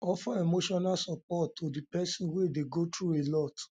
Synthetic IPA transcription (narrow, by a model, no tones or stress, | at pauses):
ɔfaemoʃɔnalsɔpɔtʰːodipɛsĩwedeɡotɹuelɔt